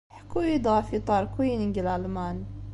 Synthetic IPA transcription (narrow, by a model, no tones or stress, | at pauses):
ħkuid̪ɑfit̪ˤɑɾˤkʰujinɪŋɡilalmaːn